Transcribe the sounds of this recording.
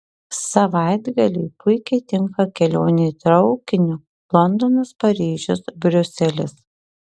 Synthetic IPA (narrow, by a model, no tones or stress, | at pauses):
sɐʋɑˑɪd̪ɡɐlʲɛɪpʊɪkʲɛɪt̪ʲɪŋkɐkʲɛlʲoːnʲɛt̪ɾɒʊkʲɪnʲʊ | lˠɔnd̪onɐspɐɾʲiːʒʲʊsbʲɾʲʊsʲɛlʲɪs